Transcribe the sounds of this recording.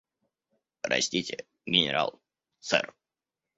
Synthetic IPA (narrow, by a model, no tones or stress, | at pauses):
ɾɐ̰sʲtʲitʲɪ | ɡʲɪnʲɪ̰ɾa̰lˠ | t̪sɛ̰r